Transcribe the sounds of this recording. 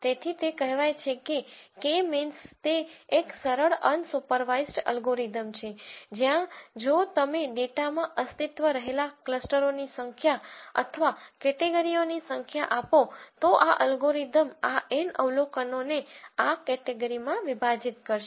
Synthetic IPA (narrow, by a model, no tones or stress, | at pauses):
t̪et̪ʰit̪ekəɦʋajt͡ʃʰekekemɪnst̪eːksəɾəɭənsupəɾʋaisʈə̰lɡoɾid̪əmt͡ʃʰed͡ʒjãd͡ʒot̪əmeɖeʈamãʔəst̪it̪ʋəɾəɦelakləsʈəɾonisəŋkʰjaə̰t̪ʰəʋakɛʈeɡəɾionisəŋkʰjaʔapot̪oʔaʔəlɡoɾid̪əmaʔenə̰ʋlokənoneakɛʈeɡəɾimãʋibʱad͡ʒit̪̚kəɾʃe